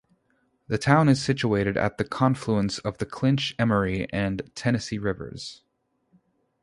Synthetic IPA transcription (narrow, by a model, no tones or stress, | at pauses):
ðɨtʰãʊ̃nɨz̥sɪt͡ʃueɪɾɨɾɨ̰t̪̚ðɨkʰɑ̃ɱfluə̃nsʌvðɨkʰl̥ɪ̃nt͡ʃɛmə˞iʔɨ̃ntʰɛñɨsiɹɪvə̰˞z̥